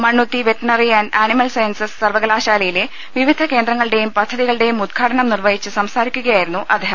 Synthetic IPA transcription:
mɐɳːut̪ːiʋeʈɳɐriɐnaːnimɐlsɐjnsɐssɐrʋɐɣɐlaːɕaːlɐjile | ʋiʋid̪ʱɐke̞ːnd̪ɾɐŋːɐɭɽe̞jumpɐd̪ʱːɐðiɣɐɭɨɽe̞jumud̪̚ɡʰʱaːʈɐɳɐmnirʋɐɦit͡ɕːɨsɐmsaːɾikʲːuɣɐjaːjiɾunːuʔɐd̪ʱeɦɐ

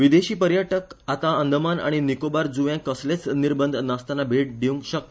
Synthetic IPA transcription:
ʋid̪eɕiːpəɾjaʈəkat̪aənd̪ʱəmana̰ɽ̃inikobaɾd͡zuʋjãkəslet͡sniɾbənd̪ʱnast̪anːabʱeʈ̚ɖ̪ʱiʋ̃ŋɡɕək̚t̪

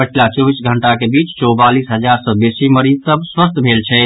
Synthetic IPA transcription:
pəʈʰilat͡ʃɔbisɡʱəɳʈakebit͡ʃt͡ʃɔwbalisɦəd͡ʒaɾsə̃besiməɾisəb̚ʱswəst̪ʰbʱelt͡ʃʰɛ

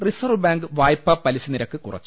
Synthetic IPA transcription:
risɐrʋɨbaːŋɡɨʋaːjpːɐpɐlisiniɾɐkːɨkurɐ̰t͡ɕː

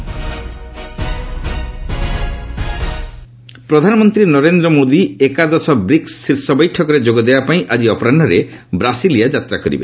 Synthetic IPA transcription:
pɾɔd̪ʱanɔmɔnt̪ɾinɔɾend̪ɾɔmod̪iekad̪ɔsɔbɾiksːiɾsɔbɔjʈʰɔkɔɾed͡ʒoɡɔd̪ebapaĩʔad͡ʒiɔpɔɾanɖɔɾebɾasilijad͡ʒat̪ɾakɔɾḭbḛ

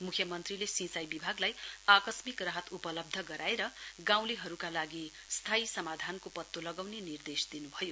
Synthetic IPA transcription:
mukʰjʌmʌnt̪rilesĩsajbibʱaɡlajakʌsmikraɦʌt̪upʌlʌb̚d̪ʱʌɡʌɾaeɾʌɡãw̃leɦʌɾukalaɡi | st̪ʰaisʌmad̪ʱankopʌt̪ːolʌɡawnenird̪esd̪inubʱʌjo

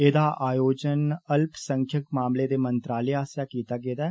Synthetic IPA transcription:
ed̪aʔaːjoːd͡ʒənəlpsə̃ŋkʰjəkmaːmled̪emə̃nt̪ɾaːleaːsjakiːt̪aɡeːd̪a

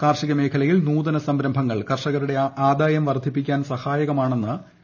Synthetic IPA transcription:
kaːrʂiɣɐme̞ːkʰɐlɐjilnuːd̪ɐnɐsɐmɾɐmbʱɐŋːɐɭkɐrʂɐɣɐɾuɽe̞aːd̪aːjɐmʋɐrd̪ʱipːikʲːaːnsɐhaːjɐɣɐmaːɳe̞nːɨ

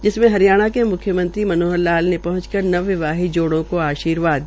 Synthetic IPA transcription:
d͡ʒɪsmẽɦɐɾijaːɽ̃akemʊkʰːjəmə̃nt̪ɾimɐnoːɦəlaːlnepɐɦʊ̃t͡ʃkɐɾnɐʋːɪʋaːɦid͡ʒoːɽõkoaːʃiːɾʋaːd̪

